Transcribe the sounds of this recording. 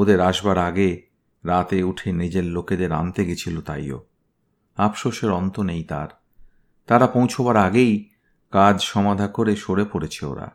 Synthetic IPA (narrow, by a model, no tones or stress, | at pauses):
od̪eɾaʃbaɾaɡe | ɾat̪euʈʰened͡ʑelloked̪eɾa̰nt̪eɡet͡ɕʰilot̪a̰jo̰ | apʃoʃeɾɔnt̪onejt̪a̰ɾ | t̪aɾapõwt͡ɕʰobaɾaɡej | kad͡ʑʃɔmad̪ʱakoɾeʃoɾepoɾet͡ɕʰeo̰ɾa̰